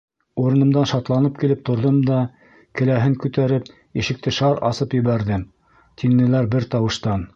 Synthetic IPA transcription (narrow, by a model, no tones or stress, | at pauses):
uɾɤ̆nɤ̆md̪ɑnʃɑt̪lˠɑnɤp̚kilɘp̚t̪ŏɾðɤmd̪ɑ | kɘ̆læɦɘŋkʉt̪æɾɘp̚ | iʃɘ̆k̚t̪ɘʃɑɾɑ̰sɤpjɘ̆βæɾðɘm | t̪ʰinːɘ̆læɾbɘɾt̪ɑwɤ̆ʃt̪ɑn